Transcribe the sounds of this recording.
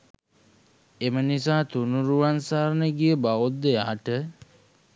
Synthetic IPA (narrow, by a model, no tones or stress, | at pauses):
emənisaːt̪unuɾuʋansaːɾnəɡijəbaod̪ːejaːʈə